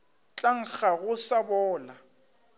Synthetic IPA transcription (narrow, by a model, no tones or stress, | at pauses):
t͡ɬʼaŋ̩k͡xaɣʊsabɔːla